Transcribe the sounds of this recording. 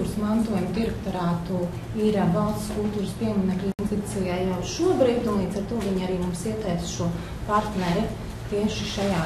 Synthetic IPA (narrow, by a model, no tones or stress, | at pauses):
uːɾsmant̪uɔjumd̪iɾɛk̚t̪ɔɾaːt̪u | iɾabalˠsskulˠt̪uːɾspiɛmʲinɛklʲnt̪it̪sijajawʃuɔbɾiːd̪unlˠiːd̪zaɾt̪uɔviɲaɾiːmumsiɛt̪ɛjsʃuɔ | paɾt̪nɛɾi | t̪iɛʃiʃajaː